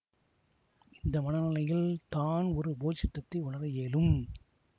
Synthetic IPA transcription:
ɪnd̪ɐmɐnɐnɐlɐjɪlt̪aːnɔɾɯboːt͡ʃɪt̪ːɐt̪ːɐɪʊɳɐɾɐjeːlɯm

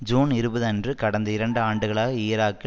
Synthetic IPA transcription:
d͡ʒuːnɪɾɯbɐðɐndrɯkɐɽɐnd̪ɐɪɾɐɳɖɯaːɳɖɯɣɐɭaːɣɐɪːɾaːkːɪ

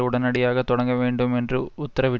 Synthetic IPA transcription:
uɽɐnɐɽijaːɣɐt̪ɔɽɐŋɡɐʋeːɳɖume̞ndrɯːt̪ːɐɾɐʋi

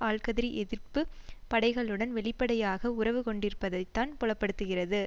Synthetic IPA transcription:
aːɭkɐðɪɾiʔɛðɪrpɯpɐɽɐɪɣɐɭɯɽɐnʋɛɭɪpːɐɽɐjaːɣɐʊrɐʋɯkɔɳɖɪɾɯpːɐðɐɪt̪ːaːnpɔɭɐpːɐɽɯt̪ːɯɣɪrɐðɯ

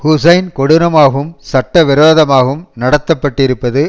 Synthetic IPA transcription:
hʊsɐɪnkɔɽɯnɐmaːɣɯmsɐʈːɐʋɪɾoːðɐmaːɣɯmnɐɽɐt̪ːɐpːɐʈːɪɾɯpːɐðɯ

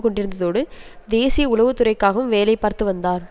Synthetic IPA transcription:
kɔɳɖɪɾɯnd̪ɐðoːɽɯd̪eːsɪjɐʊlɐʋɯt̪ːɯrɐɪkːaːɣɐɯmʋeːlɐɪpːaːɾt̪ɯʋɐnd̪aːɾ

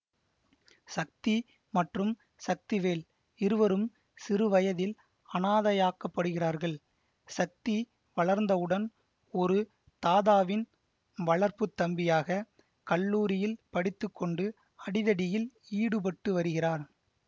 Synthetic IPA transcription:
sɐk̚t̪i | mɐʈrɯm | sɐk̚t̪ɪʋeːl | ɪɾɯʋɐɾɯm | sɪɾɯʋɐjɐðɪl | ɐnaːðɐjaːkːɐpːɐɽɯɣɪraːɾɣɐɭ | sɐk̚t̪i | ʋɐɭɐɾnd̪ɐɯɽɐn | ɔɾɯ | t̪aːðaːʋɪn | ʋɐɭɐɾpɯt̪ːɐmbɪjaːɣɐ | kɐɭːuːɾɪjɪlpɐɽɪt̪ːɯkːɔɳɖɯ | ɐɽɪðɐɽɪjɪliːɽɯp̬ɐʈːɯʋɐɾɯɣɪraːɾ

